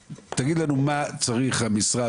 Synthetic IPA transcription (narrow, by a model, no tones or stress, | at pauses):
t̪aɡid̪lanumat͡saʁiχhamisʁa